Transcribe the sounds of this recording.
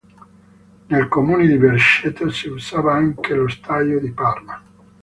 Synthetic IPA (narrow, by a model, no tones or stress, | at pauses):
nelkomuːned̪ibeɾʃet̪ːsiuzaːvaaŋkelost̪ʰajod̪iparma